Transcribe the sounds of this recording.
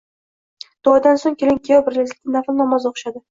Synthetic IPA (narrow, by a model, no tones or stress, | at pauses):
d̪̥ʊɒd̪ansoŋkʲelɪŋkʲʰejɒbɪɾlazʲɪnaflˠnɒmɒzoqʃad̪ɪ